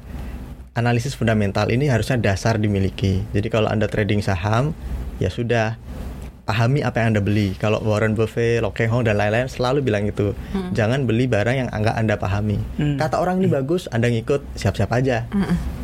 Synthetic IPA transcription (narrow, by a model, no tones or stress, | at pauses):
ʔanalisɪsfundamɛnt̪alʔiniɦaɾusɲadasardimilikid͡ʒadikalo̰ʔa̰ndat̪ɾʔedɪŋsaɦamja̰sudah | paɦamiʔapajaŋandabəlikalo̰ʔwɔɾɔnbəfelɔkɛŋɦɔŋdanlainlaɪnsəlalubilaŋit̪ud͡ʒaŋanbəlibaɾaŋjaŋa̰ŋɡa̰ʔandapa̰ɦamikat̪aoɾaŋinibaɡʊsandaŋikʊt̪̚siap̚siapad͡ʒa